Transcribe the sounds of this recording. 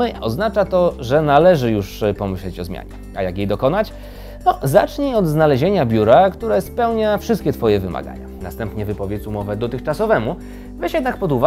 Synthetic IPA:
ɘɔznat͡ʂat̪ɔʐɛnalɛʐɘjuʂpɔmɘɕlɛt͡ɕɔzmʲja̰ɲɛ | ajakjejd̪ɔkɔnat͡ɕ | nɔza̰t͡ʂɲiɔd̪znalɛʑeɲabʲjuɾakt̪uɾɛspɛwɲafʂɘst̪kʲɛt̪fɔjɛvɘma̰ɡa̰ɲa̰nast̪ɛmpɲɛvɘpɔvʲjet͡s̪umɔvɛd̪ɔt̪ɘxt͡ʂasɔvɛmu | vɛɕjɛd̪nakpɔd̪uva

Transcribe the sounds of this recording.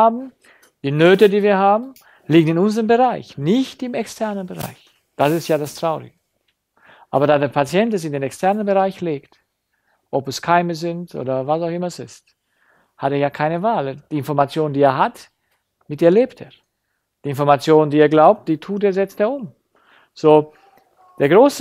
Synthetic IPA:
aːbm̩ | d̥iːnøːtədiːviːɐɦaːbm̩ | liːɡənɪnʊnzʁənbəʁaɪçnɪçtɪmɛkstʰɛɐnənbəʁa̰ɪç | d̥asɪstjaːdastʁ̥aʊʁɪ̰ɡə | ʔa̰ːbɐdaːdeːɐpʰat͡sjɛntɛs̬ɪndeːnɛkstʰɛɐnənbəʁaɪçleːkt | ʔɔpɛskʰaɪməzɪntʔo̰ːdɐvasaʊxɪmɐɛsɪst | hateːjaːkʰaɪnəvaːld̥iːɪnfɔɐʁmat͡sjoːnəndiːeːɐɦat | mɪt̚d̥iːɐleːpteːɐ | d̥iːɪnfɔɐmat͡sjoːnəndiːeːɐɡlaʊp̚t̚d̥iːtʰuːteːɐzɛt͡steːɐʊm | z̥oː | d̥eːɐɡʁoːsə

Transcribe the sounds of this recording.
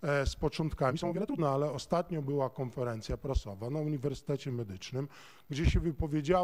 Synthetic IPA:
spɔt͡ʂɔnt̪kamʲisɔ̃w̃vɛt̪unɛalɛɔst̪at̪̚ɲɔ̃bɘwakɔnfɛɾɛnt̪sʲjapɾasɔvanauɲivɛɾsɘ̥t̪ɛt͡ɕɛmɛd̪ɘt͡ʂnɘm | ɡd͡ʑɛɕɛvɘpɔvʲjed͡ʑa

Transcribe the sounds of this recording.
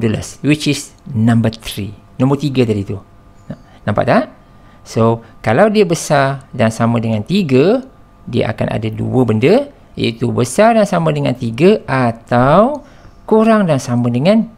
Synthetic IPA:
dələ̰swit͡ʃisnãmbət̪ɾi | nɔ̃mərt̪iɡat̪adit̪u | nãmpa̰ʔt̪aʔ | sokalawdiəbəsardaŋsamə̃dəŋãnt̪iɡə | diə̰ʔa̰ka̰nʔa̰dadṵəbəndə | jə̰it̪ubəsardaŋsamə̃dəŋant̪iɡəʔat̪aw | kuɾaŋdaŋsamə̃dəŋãn

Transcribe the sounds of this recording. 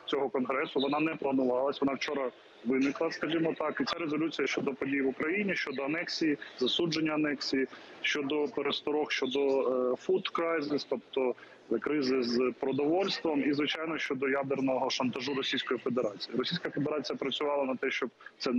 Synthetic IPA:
t͡sʲɔɦɔkɔnɦɾɛsʊʋɔnɑnɛplˠɐnʊʋɑlˠɐsʲʋɔnɑwt͡ʃɔɾɐ | ʋɪnɪklˠɐskɐʒimɔt̪ɑkit̪t͡sʲaɾezɔlʲut͡sʲijɐʃt͡ʃɔd̪ɔpɔdʲijʋʊkɾɐjinʲiʃt͡ʃɔd̪ɔɐnɛksʲijizɐsud͡ʒenʲːɐɐnɛksʲiji | ʃt͡ʃɔd̪ɔpeɾest̪ɔɾɔxʃt͡ʃɔd̪ɔfut̪kɾajzɪst̪ɔp̚t̪ɔ | kɾɪzɪzpɾɔd̪ɔʋɔlʲst̪ʋɐmizʋɪt͡ʃajnɔʃʲt͡ʃɔd̪ɔjad̪ernɔɦɔʃɐnt̪ɐʒuɾɔsʲijsʲkɔjifed̪eɾɑt͡sʲijiɾɔsʲijsʲkɐfed̪eɾɑt͡sʲijɐpɾɐt͡sʲʊʋɑlˠɐnɐt̪ɛʃt͡ʃɔb̚t̪sɛ

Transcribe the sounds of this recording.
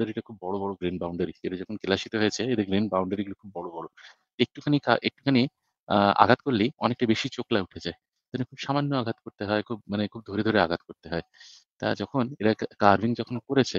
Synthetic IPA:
ɖaɾiʈakʰubːɔɽobɔɽoɡɾinbawɳɖaɾieɾad͡ʑɔkʰonkelaʃit̪oɦoet͡ɕʰeed̪eɾɡɾinbawɳɖaɾiɡulekʰubːɔɽobɔɽo | ek̚ʈukʰanika̰ʔek̚ʈu̥kʰani | a̰ɡʱat̪koɾliɔnek̚ʈabeʃit͡ɕoklauʈʰed͡ʑae | t̪ɛɦonekʰubʃamanːoaɡʱat̪koɾt̪eɦɔekʰubmanekʰub̚d̪ʱoɾed̪ʱoɾea̰ɡʱat̪̚koɾt̪eɦɔe | t̪a̰d͡ʑɔkʰoneɾakaɾbʱiŋd͡ʑɔkʰonkoɾet͡ɕʰe

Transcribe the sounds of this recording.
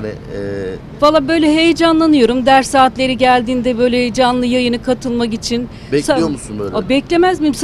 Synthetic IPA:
nɪ̰ | falˠːabø̞jlʲɛɦe̞jd͡ʒanlˠanɯjo̞ɾumd̪æɾsaːt̪lʲe̞ɾiɟælʲd̪iːnd̪ɛbø̞jlʲeed͡ʒanlˠɯjajɯnɯkʰat̪ʰɯlˠmak̬it͡ʃʰin | saomusunabɛclʲe̞mæzmims

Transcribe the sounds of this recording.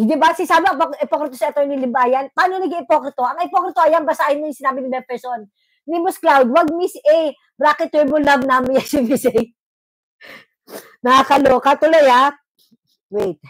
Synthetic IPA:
d̪ɪbasɪsaːbɪɐŋpokʔɛpokɾɪt̪osɪɐt̪oɹnilɪmbaːjɐnpɐʔaːnonɐɡiɪpokɾɪt̪oʔɐŋɪpokɾɪt̪oʔɐjanbɐsaːhɪnːojʊŋsɪnaːbɪnɪbɛn̚pɛsonː | ɪmʊsklawd̪wɐɡ̚misʔɛj | bɾaːkɛt̪ɛɹmʊlɐvnaːmɪjasɪmisɛj | nɐhakɐloːkɐt̪ʊloja | wejt̪̚

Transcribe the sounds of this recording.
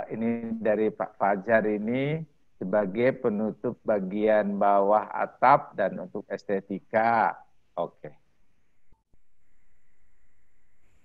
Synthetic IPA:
inidaɾipa̰ʔfad͡ʒarini | səbaɡajpənut̪ʊp̚baɡianbawaɦa̰t̪ap̚danṵnt̪ʊk̚ɛst̪et̪ika | okʰe

